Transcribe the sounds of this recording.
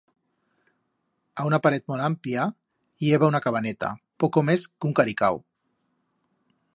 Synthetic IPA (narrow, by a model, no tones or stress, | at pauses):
aunapaɾɛt̪̚mɔlamplia | ieβaunakaβanɛt̪a̰pɔkomeskuŋkaɾika̰w